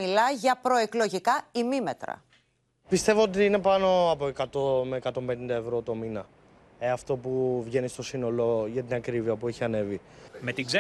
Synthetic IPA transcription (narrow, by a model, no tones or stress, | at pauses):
ilɐʝɐpɾo̞eklo̞ʝikɐimimet̪ɾɐ̰ | pist̪e̞voot̪iine̞pɐno̞ɐpo̞e̞kɐt̪omeːkɐt̪o̞mbe̞nind̪ɐevɾo̞t̪o̞minɐ | eɐft̪o̞puvʝe̞nist̪o̞sino̞lo̞ʝɐt̪inɐkɾiviɐpueçiɐne̞vime̞t̪iɡze